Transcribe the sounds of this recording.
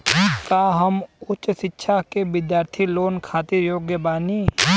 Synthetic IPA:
kaːɦɐmʊtt͡ʃʃɪtːʃʰakebɪd̪jaːɾt̪ʰiloːnkʰaːt̪iɾjoːɡjəbaːni

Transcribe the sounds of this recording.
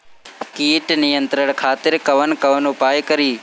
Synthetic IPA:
kiːʈnɪjə̃nt̪ɾəɽ̃kʰaːt̪ɪɾkɐʋənkɐʋənʊpaːjkəɾiː

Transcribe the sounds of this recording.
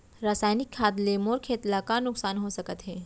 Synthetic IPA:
ɾaːsaːjnɪkʰːaːt̪lemoːɾkʰeːt̪lakanʊksaːnɦosɐkət̪ɦɛː

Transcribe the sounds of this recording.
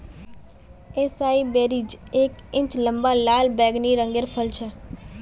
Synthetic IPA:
eːsaːibeːɾiːd͡ʒeːkɪ̃ɲt͡ʃlə̃mbalaːlbɛːɡniɾə̃ŋɡeɾpʰəlt͡ʃʰə

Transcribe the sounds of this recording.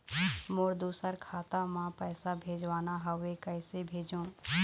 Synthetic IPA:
moːɾd̪uːsəɾkʰaːt̪amãpəːsabʱeːd͡ʒʋaːnaɦəekəɪsebʱeːd͡ʒõː

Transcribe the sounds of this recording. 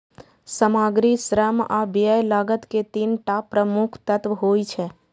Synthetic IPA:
səmaːɡɾisɾəma̰biəjlaːɡət̪ket̪iːnʈaːpɾəmukʰt̪ət̪ʋɦoit͡ʃʰɛ

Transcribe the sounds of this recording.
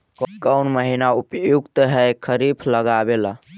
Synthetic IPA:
kkəʊnməɦinaupjuɡt̪ɦɛkʰəɾipʰləɡabelə

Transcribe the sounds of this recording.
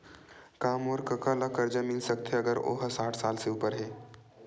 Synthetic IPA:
kamoːɾkəkalakəɾd͡ʒəmilsəkt̪ʰeəɡəɾo̰ɦəsaːʈʰsalseupəɾɦe

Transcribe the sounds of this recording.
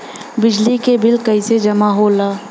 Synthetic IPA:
bɪd͡ʒlikebɪlkɐised͡ʒɐmaɦoːlaː

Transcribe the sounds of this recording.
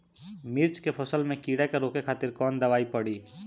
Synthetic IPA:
miɾt͡ʃkepʰəsəlmẽkiɽɛkeɾoːkekʰaːt̪ɪɾkɔːnd̪əʋaːipəɽi

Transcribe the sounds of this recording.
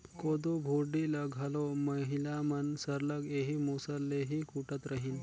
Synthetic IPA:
kod̪obʱuɾɖiləɡʱɐloməɦilamɐnsəɾləɡeɦimusəlːeɦikuʈət̪ɾəɦin

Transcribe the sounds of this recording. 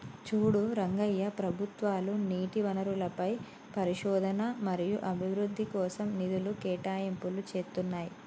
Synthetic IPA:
t͡ʃuːɽuɾɐŋɡɐjːɐpɾɐbʱut̪ʋaːluniːʈiʋɐnɐɾulɐpɐj | pɐɾiʃɔːd̪ʱɐnɐmɐɾijuʔɐbʱiʋɾud̪ʱːikɔːsɐmnid̪ulukɛːʈaːjɐmpulut͡ʃeːt̪unːaːji

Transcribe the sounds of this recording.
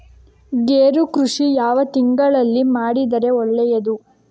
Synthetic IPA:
ɡeːɾukɾuʂijaːʋɐt̪iŋɡɐɭɐlːimaːɽid̪ɐɾe̞ɔɭːɛjɐd̪u

